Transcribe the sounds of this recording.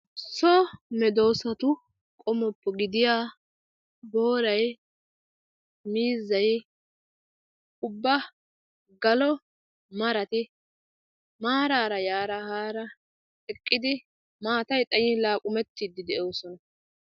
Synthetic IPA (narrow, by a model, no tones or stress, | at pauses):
sɔmɛd̪o̞ːsɐt̪ʊ | kʼɔmɔpːɔɡɪd̪ɪjaː | bo̞ːɾɐj | miːzːɐj | ʊbːɐ | ɡɐlɔ | mɐɾɐt̪ɪ | maːɾaːɾɐjaːɾɐhaːɾɐ | ɛkʼːɪd̪ɪ | maːt̪ɐjt̪ʼɐjɪlaːkʼʊmɛt̪ːiːd̪ːɪd̪ɛʔo̞ːsɔnɐ